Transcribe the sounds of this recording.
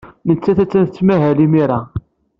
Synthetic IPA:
mənt͡sːæθæt͡sːænθət͡sːmæɦælimiɾa

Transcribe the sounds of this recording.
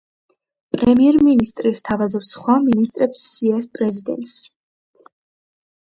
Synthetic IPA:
pʼɾɛmiɛɾminist̪ʼɾist̪ʰavazɔpsχwaminist̪ʼɾɛpsːiɛspʼɾɛzid̪ɛ̰nt̪ʼs

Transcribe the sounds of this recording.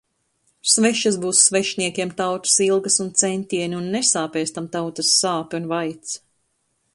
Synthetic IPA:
svɛʃasbuːsːvɛʃniɛkʲiɛmt̪awt̪ɐ̥silˠɡɐsunt̪sɛnʲt̪ʲiɛnʲiunːesaːpɛːst̪amt̪awt̪ɐsːaːpiunvajt̪s

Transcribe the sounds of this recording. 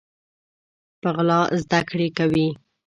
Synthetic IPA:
paɣlɑzd̪akɽekawi

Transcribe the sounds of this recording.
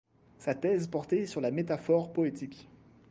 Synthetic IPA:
sat̪ɛzpɔʁt̪esyʁlamet̪afɔʁpɔet̪ikʲ

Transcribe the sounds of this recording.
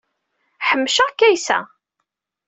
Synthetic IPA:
ħəmːʃakːæjsæ̰

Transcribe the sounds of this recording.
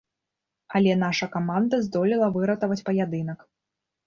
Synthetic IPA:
ɐlʲɛnaʂɐkamand̪ɐzd̪ɔlʲilˠɐvɨɾɐt̪ɐvɐt͡sʲpɐjad̪ɨn̪ɐk

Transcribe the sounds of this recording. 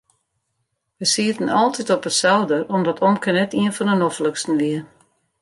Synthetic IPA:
ʋəsiətən̩ɔlˠtʰitɔpətsɛldərɔmdɔtʰɔmkənɛtiənfɔnənɔfləkstn̩ʋiə

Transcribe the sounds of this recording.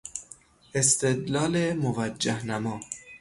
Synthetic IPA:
est̪ed̪lɒːlemovæd͡ʒːæhnæmɒː

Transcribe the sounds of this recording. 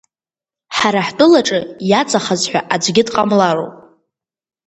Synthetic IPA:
ħaɾaħtʼʊlaʈ͡ʂʼɨjat͡sʼaχazħʷᶣaʔad͡ʒʷɡʲɪdqʼamlaro̰wpʼ

